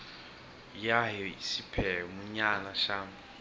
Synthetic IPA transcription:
jaɦisipʰɛmuɲanaʃaːmu

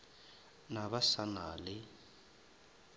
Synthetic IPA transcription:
naβasanaːlɪ

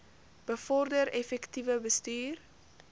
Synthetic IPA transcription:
b̥əfɔrdəɾɛfɛktivəbəstyːr

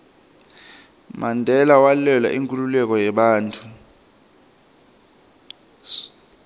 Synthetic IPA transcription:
mandʱɛlawalɛla̰ʔiŋkʼululɛk̬ʼɔjɛɓaːntʰʼu

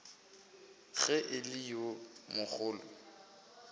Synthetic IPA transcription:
ɣɛʔɪlɪjomʊk͡xʰʊːlʊ̰

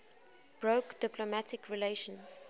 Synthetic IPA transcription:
b̥ɹokd̥ɪplomætɪkɹileʃə̃nz̥

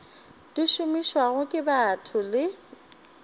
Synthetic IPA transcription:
d̥iʃʊmiʃwaɣʊkʼɪbatʰʊlɪ

